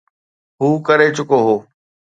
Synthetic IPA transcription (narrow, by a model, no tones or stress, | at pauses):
ɦuːkɐɾet͡ɕʊkoɦoː